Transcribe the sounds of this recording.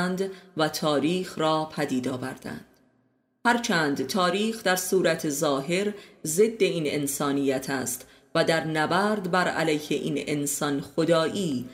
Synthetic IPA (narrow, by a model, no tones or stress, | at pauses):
nd̪væt̪ʰɒːɾiːxɾɒːpʰæd̪iːd̪ɒːvæɾd̪̥æ̰nd̪̥ | hæɾt͡ʃʰæːnd̪t̪ʰɒːɾiːxd̪æɾsuːɾæt̪ʰezɒːɦe̞ɾze̞d̪ːe̞iːne̞̰nsɒːnijæt̪ʰæ̰ːst̪ | væd̪æɾnæbæːɾd̪bæɾæ̰læjheʔḭːnensɒnxod̪ɒːʔiː